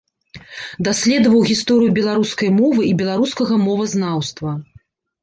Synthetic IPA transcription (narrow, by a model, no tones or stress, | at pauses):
d̪asʲlʲɛd̪ɐvɐwɣʲist̪ɔɾɨjubʲɛlˠaɾuskɐjmɔvɨibʲɛlˠaɾuskɐɣɐmɔvɐznawst̪vɐ